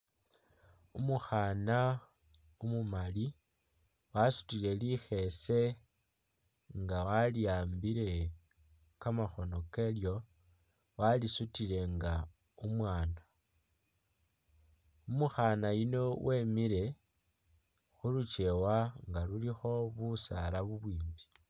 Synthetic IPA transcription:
umuxana | umumali | wasu̥tile̞lixe̞se̞ | ŋɡawaliaːmbiɾe̞ | kamaxo̞no̞ke̞ljo̞ | walisutile̞ŋɡa | umwaːna | umuxanajino̞wʔe̞ːmiɾe̞ | xulut͡ʃe̞waŋɡalulixo̞βusalaβuβwiːmbi̥

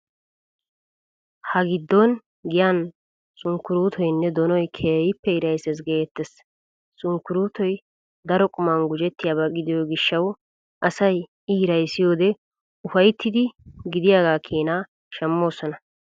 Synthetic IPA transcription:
hɐɡɪd̪ːɔn | ɡɪjan | sʼʊŋkːʊɾuːt̪ʰɔjnːɛd̪ɔnɔjkʰeːjɪpːɛɪɾɐjsɛs̬ɡeːt̪ːɛs | sʼʊŋkːʊɾuːt̪ɔj | d̪ɐɾɔkʼʊmɐnɡʊd͡ʒɛt̪ːɪjaːbɐɡɪd̪ɪjɔɡɪʃːɐw | ʔɐsɐj | ɪɪɾɐjsɪjo̞ːd̪ɛ | ʊfɐjt̪ʰːɪd̪ɪɡɪd̪ɪjaːɡaːkʰiːnaː | ʃɛmːo̞ːsɔnɐ

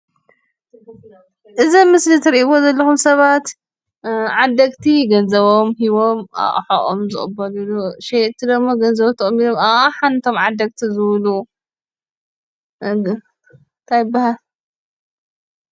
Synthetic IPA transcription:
ʔɨzimɨslit̪ʰɨɾiʔiwozɐlːɐxumsɐβat̪ | ʕad̪ɐɡt̪ʰiɡɐnzɐβo̞mhiβo̞ma̰ʔʼħa̰ʔʼo̰mzɨχʼbːɐluluʃet̪ʰid̪ɐɡmːoɡɐnzɐβot̪ʰɐχʼmːid̪omaaħant̪ʰo̞mʕad̪ːɐɡ̚t̪ʰizɨβlu | t̪ʰajbahal

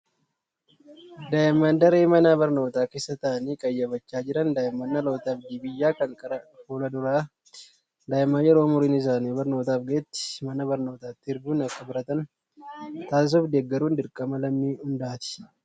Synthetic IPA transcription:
d̪aːjɪmːɐnd̪ɐɾeːmɐnaːbɐɾno̞ːt̪aːke̞ːsːɐt̪ɐʔɐniːkʼɐjːɐbɐt͡ʃːaːd͡ʒɪɾɐnd̪aːjɪmːɐnːɐlo̞ːt̪ɐbd̪iːbɪjːaːkɐŋkʼɐɾɐfuːlɐd̪ʊɾaː | d̪aːɪmːaːjɛɾo̞ːmʊɾiːnɪs̬aːniːbɐɾno̞ːt̪aːfɡɐɛt̪ːɪ̥mɐnɐbɐɾno̞ːt̪aːt̪ːɪɪɾɡuːnɐkːɐbɪɾɐt̪ɐn | t̪aːs̬ɔfd̪eːɡːɐɾuːnd̪ɪɾkʼɐmɐlɐmːiːhʊnd̪aaːt̪ɪ̥

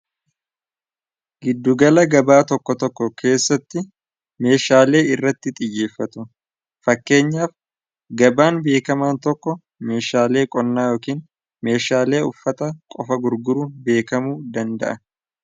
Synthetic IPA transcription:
ɡɪd̪ːʊɡɐlɐɡɐbaːt̪ɔkːɔt̪ɔkːɔkʰe̞ːsːɐt̪ːɪ | me̞ːʃaːle̞ːɪrːɐt̪ːɪt̪ʼɪjːe̞ːfːɐt̪ʊ | fɐkːe̞ːɲːaːf | ɡɐbaːnbe̞ːkɐmaːnt̪ɔkːɔ | me̞ːʃaːle̞ːkʼɔnːaːjo̞ːkiːn | me̞ːʃaːle̞ːʊfːɐt̪ɐkʼɔfɐɡʊɾɡʊɾʊbe̞ːkɐmuːd̪ɐnd̪ɐ̰ʔɐ

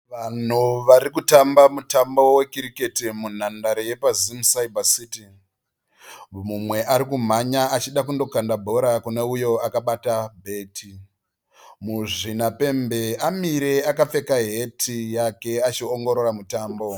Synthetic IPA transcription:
ʋan̤uʋaɾikutambamutambo̞we̞kiɾike̞timun̤andaɾeje̞pazimusaibasiːti | mumwe̞ʔaɾikum̤aɲaat͡ʃiɗak̬undo̞kandabʱo̞ɾakune̞ujo̞akaɓatabʱe̞ːtʰi | muʐinape̞mbe̞amiɾe̞akap͡fe̞kaɦe̞tʰijake̞at͡ʃioŋɡo̞ɾo̞ɾamutaːmbo̞

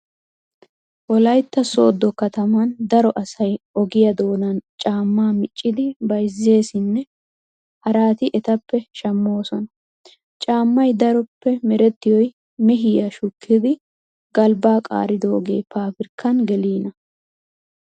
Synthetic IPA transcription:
ʔɔlɐjt̪ːɐso̞ːd̪ːɔkɐt̪ɐmɐnd̪ɐɾɔʔɐsɐjɔɡɪjɐd̪o̞ːnɐnt͡ʃʼaːmːaːmɪt͡ʃʼːɪd̪ɪbɐjzːe̞ːsɪnːɛ | hɐɾaːt̪ɪʔɛt̪ɐpːɛʃɐmːo̞ːsɔnɐ | t͡ʃʼaːmːɐjd̪ɐɾɔpːɛmɛɾɛt̪ːɪjɔj | mɛɦɪjɐʃʊkʰːɪd̪ɪ | ɡɐlbaːkʼa̰ːɾɪd̪oːɡe̞ːpaːfɪɾkʰːɐnɡɛliːnɐ

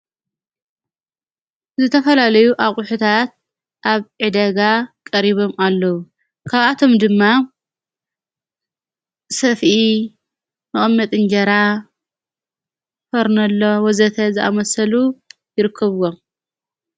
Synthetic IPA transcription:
zɨt̪ʰɐfɐlalɐjuʔaχʼʊħut̪ʰat̪̚ | ʔaβʕɨd̪ɐɡakʼɐɾiβo̞malːɐwu | kʰaβʔat̪ʰo̞md̪ɨmːa | sɐfʔi | mɨχʼmːɐt̪ʼɨnd͡ʒɐɾa | fɐɾnɐlːowɐzɐt̪ʰɐzɨʔa̰mɐsɐlujɪɾɨkʰːɐβwom

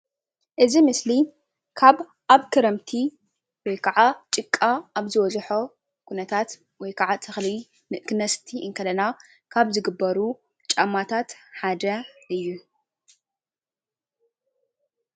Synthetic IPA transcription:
ʔɨzimɨsli | kʰaβ | ʔaβkʰɨɾɐmt̪ʰi | wɔjkʰaʕat͡ʃʼɨkʼːaaβzɨwɔzħo | kʰunɐt̪ʰat̪ | wɔjkʰaʕat̪ʰɨxli | nɨʔkɨnɐst̪ʰiʔɨŋkʰɐlɐna | kʰaβzɨɡɨbːɐɾu | t͡ʃʼamːat̪ʰat̪ħad̪ɐɨjːu

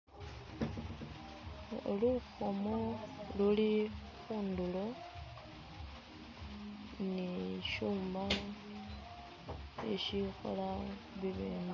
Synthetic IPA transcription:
luxomoluli | xuːndulo | niʃuːma | ḛʃixo̰la | βiβiːndu

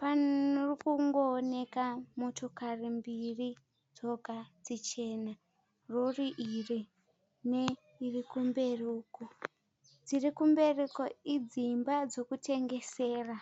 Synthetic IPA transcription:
panorikuŋɡoːne̞kamo̞to̞karimbiri | d͡zo̞ɡʱad͡zit͡ʃe̞ːna | roriʔiri | ne | irikumbe̞ruko | d͡zirikumbe̞rekoid͡zimbad͡zo̞kutʰe̞ŋɡe̞seːra

